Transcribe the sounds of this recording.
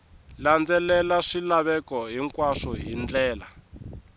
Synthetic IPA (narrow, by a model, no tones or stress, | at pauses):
land͡zɛlɛlaʂilaβɛkɔɦiŋkwaʂɔɦind͡ɮɛːla